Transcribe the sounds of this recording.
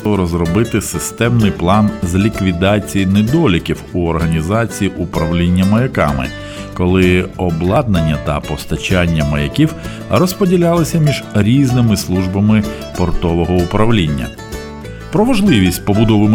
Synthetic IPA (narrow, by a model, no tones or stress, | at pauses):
ɔɾɔzɾɔbɪt̪ɪsɪst̪ɛmnɪjplˠɑnzlʲikʋʲid̪ɑt͡sʲijinɪd̪ɔlʲɪkʲiwuɔrɦɐnʲizɑt͡sʲijiʔupɾɐwlʲinʲːɐmɐjɐkɑ̰mɪ̰ | kɔlˠɪɔblˠɑd̪̚nɐnʲːɐt̪ɐpɔst̪ɐt͡ʃanʲːɐmɐjɐkʲiw | rɔspɔdʲilʲalˠɪsʲɐmʲiʒɾʲiznɪmɪslˠuʒbɐmɪ | pɔrt̪ɔʋɔɦɔʊpɾɐwlʲinʲːɐ̰ | pɾɔʋɐʒlˠɪʋʲisʲtʲpɔbʊd̪ɔʋɪm